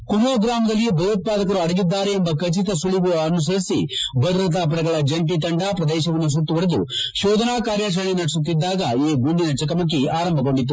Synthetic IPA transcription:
kuɾoːɡɾaːmɐd̪ɐlːijebɐjot̪̚paːd̪ɐkɐɾuɐɽɐɡid̪ːaːɾeːmbɐkɐt͡ʃit̪ɐsuɭiɡuɐnus̬ɐɾisḭbʱɐd̪ɾɐt̪̬aːp̬ɐɽɐɡɐɭɐd͡ʒɐɳʈit̪ɐɳɖaːpɾɐd̪ɛːʃɐʋɐnːus̬uʈːuʋɐɽed̪ṵʃɔːd̪ʱɐnaːkaːɾjaʃ̬ɐɭinɐɽisut̪ːid̪ːaːɡɐeːɡuɳɖinɐt͡ʃɐkɐmɐk̬ːiaːɾɐmbʱɐko̞ɳɖit̪ːu

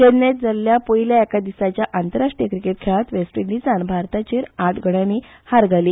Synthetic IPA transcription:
t̪enːet̪̚d͡zəlːjapoiljaekad̪isat͡ɕjaʔant̪əɾaʂʈijəkɾikeʈkʰeɭat̪ʋesʈiɳɖit͡sanbʱaɾt̪at͡ɕeɾaʈɡʱəɽ̃ãniː | haɾɡʱali

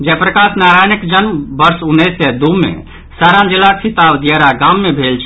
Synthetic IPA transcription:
d͡ʒɛpɾəkasnaɾajnikd͡ʒənmbəɾsunːɛsɛd̪umḛ | saɾãnd͡ʒilːasʰit̪abd̪jɛɾaɡãmːebʱelt͡ʃʰ

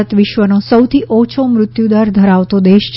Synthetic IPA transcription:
ət̪ʋɪʃʋənosəwt̪ʰiʔot͡ʃʰomɾʊt̪jud̪əɾd̪ʱəɾaʋt̪od̪eʃ

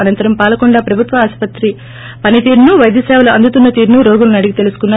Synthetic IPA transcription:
ɐnɐnt̪ɐɾɐmpaːlɐkuɳɖaːpɾɐbʱut̪ʋɐaːspɐt̪ɾi | pɐnit̪iːɾnuʋɐjd̪jɐsɛːʋɐlɐɐnd̪ut̪unːɐt̪iːɾnuɾoːɡulunɐɽiɡit̪e̞lusu̥kunːaː

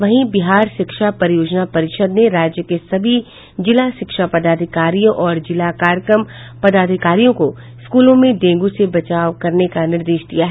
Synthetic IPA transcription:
ʋɐɦĩbɪɦaːɾʃɪkʃapɐɾjoːd͡ʒnapɐɾɪʃəd̪neɾaːd͡ʒjəkesɐbʱi | d͡ʒɪlaʃɪkʃapɐd̪aːd̪ʱɪkaːɾijõʔɔːɾd͡ʒɪlakaːɾjəkɾəm | pɐd̪aːd̪ʱɪkaːɾijõko | skuːlõmẽd̪ẽːŋɡusebɐt͡ʃaːʋkɐɾnekanɪɾd̪eːʃd̪ijaɦɛ

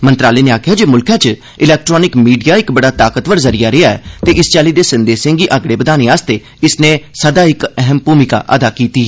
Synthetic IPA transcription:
mənt̪ɾaːleːneːaːkʰɪjaːd͡ʒeːmʊlkʰãːt͡ʃ | ɪlɛːk̚ʈɾɔːnɪkmiːɖijaːɪkbəɽaːt̪aːkət̪ʋəɾzəɾijaːɾeaːɛ̰ːt̪eːʔɪst͡ʃaːliːd̪eːsənd̪eːsɪ̃ŋɡiːʔəɡɽeːbəd̪aːnẽːaːst̪eː | ɪsnẽːsəd̪aːɪkɛɦəmpuːmɪka̰ːʔəd̪aːkiːt̪iː

